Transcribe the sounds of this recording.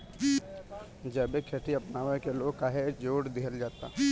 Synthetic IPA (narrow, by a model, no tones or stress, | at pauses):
d͡ʒɛbekʰeʈʰiɐpnaːʋəkeloːkaːɦed͡ʒoːɽd̪ɪɦəld͡ʒaːt̪a̰ː